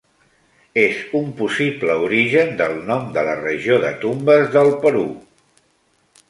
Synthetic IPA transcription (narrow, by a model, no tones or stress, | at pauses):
ezumpusipləuɾiʒənd̪əlˠnɔmd̪ələrəʒioðət̪umbəzðəlˠpəɾu